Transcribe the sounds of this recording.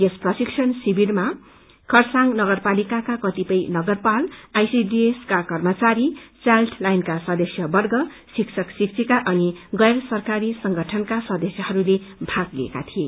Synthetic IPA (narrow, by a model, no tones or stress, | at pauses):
esprʌsiksʰʌnsibirma | kʰʌrsaŋnʌɡʌrpalikakakʌt̪ipʌjnʌɡʌrpalajsidieskakʌrmʌt͡saɾit͡salʈʰlajnkasʌd̪ʌsjʌbʌrɡʌ | siksʰʌksik̚t͡sʰikaʔʌniɡʌjɾʌsʌrkaɾisʌŋɡʱʌʈʰʌnkasʌd̪ʌsjʌhʌɾulebʱaɡliḛka̰t̪ʰie